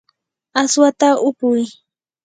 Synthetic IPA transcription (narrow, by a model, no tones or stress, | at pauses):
aswat̪aʊpʊj